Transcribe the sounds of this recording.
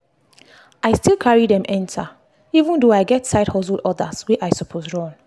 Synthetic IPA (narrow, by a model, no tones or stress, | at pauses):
aɪstilˠkʰaɹidɛ̃mʔɛ̃ntʰa | ivə̃ndoaɪɡɛtsaɪdhɔsldɔdəswiʔajsɔpʰosɹɔ̃n